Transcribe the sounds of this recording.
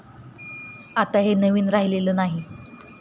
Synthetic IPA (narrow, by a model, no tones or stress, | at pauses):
at̪aɦenəʋiːnɾaɦileləːnaɦi